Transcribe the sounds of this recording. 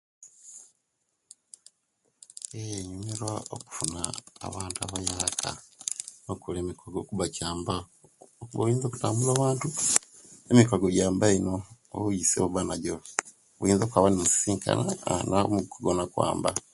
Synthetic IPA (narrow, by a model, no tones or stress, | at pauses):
eɲumeɾwaoku̥funa̰ːβaːntuaβajakʰa̰ | okʰuleːmikʰoɡo̞ːkuβacaːmba | okuβa̰βjiːnzoːku̥taːmbulaːβaːntu | emikoɡoɟaːmbaino̰ː | βujisḛβuβanaɟo | βujiːnzokwaβanemusi̥siːŋkʰa̰na̰namikoɡonakwa̰ːmba̰